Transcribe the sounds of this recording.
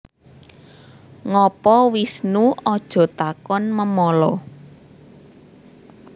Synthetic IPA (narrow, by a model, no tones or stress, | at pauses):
ŋɔpɔwisnuɔd̥ʒ̥ɔ̤t̪akɔnməmɔlɔ